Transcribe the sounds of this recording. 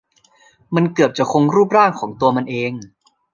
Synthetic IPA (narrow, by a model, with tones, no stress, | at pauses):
ma˧nkɯ˨˩p̚t͡ɕa˨˩kʰo˧ŋɾuː˥˩p̚ɾaː˥˩ŋkʰɔː˩˦ŋt̪u˧ɐma˧nʔeː˧ŋ